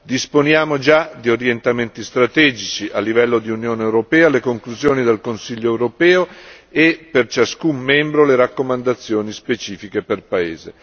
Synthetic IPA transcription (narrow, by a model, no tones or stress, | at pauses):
d̪isponjaːmod͡ʒad̪ioɾjent̪ament̪ist̪ɾat̪ɛːd͡ʒit͡ʃiʔalːivɛlːod̪iunjoːneːwɾopɛːalekoŋkluzjoːnid̪elkonsiʎːoɛwɾopɛːo | epert͡ʃaskumːɛmbɾoleɾakːomand̪at̪sːjoːnispet͡ʃiːfikeperpaḛːze